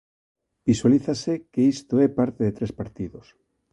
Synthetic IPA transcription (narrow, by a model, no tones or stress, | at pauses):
b̥iswaliθasekeist̪oɛpaɾt̪eðet̪ɾespaɾt̪iðos